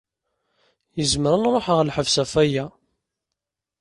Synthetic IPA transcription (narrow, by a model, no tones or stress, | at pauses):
jəzməɾənɾˤoħəʁlħəvsæfæjæ